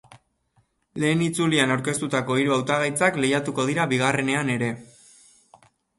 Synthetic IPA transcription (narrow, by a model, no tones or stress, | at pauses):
le̞ːnit͡sulianawɾke̞st̪ut̪ako̞iɾuawt̪aɣajt͡sakle̞jat̪uko̞ð̞iɾaβiɣare̞ne̞ane̞ɾe̞